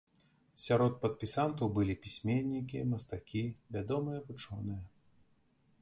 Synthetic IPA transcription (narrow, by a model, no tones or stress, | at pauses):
sʲaɾɔt̪̚pɐt̪̚pʲisant̪ɐwbɨlʲipʲisʲmʲenʲːik̬ʲimɐst̪akʲivʲad̪ɔmɨjɐvut͡ʂɔnɨjɐ